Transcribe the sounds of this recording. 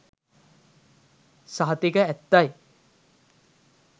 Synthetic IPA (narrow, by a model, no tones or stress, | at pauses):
saɦɐt̪ikəæt̪ːaj